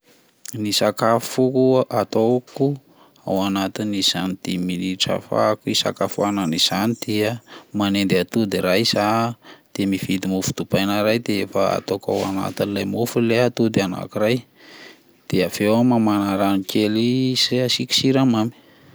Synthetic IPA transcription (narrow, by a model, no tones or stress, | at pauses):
nisakafukuʔat̪oku | awanat̪iniz̥anid̪̥eminiʈ͡ʂa̰fa̰kuisa̰kafuananiz̥anid̪̥iəmanend̪at̪ud̪iɾajz̥ad̪̥emivid̪imufu̥d̪̥ubajnaɾajd̪eefaa̰t̪oka̰wa̰na̰t̪inilajmufuleat̪ud̪iana̰kuɾaj | d̪̥eav̥ewamamanaɾanikelisasiki̥siɾamami̥